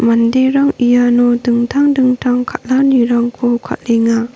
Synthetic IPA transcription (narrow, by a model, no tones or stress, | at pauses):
mandeɾaŋijanɔdɯŋtʰaŋdɯŋtʰaŋkʰat̚laniɾaŋkʰɔkʰa̰t̚leŋa